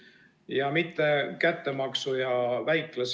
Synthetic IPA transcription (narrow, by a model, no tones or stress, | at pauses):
jɑmit̪ːe̞kæt̪ːe̞mɑksujɑvæjklɑs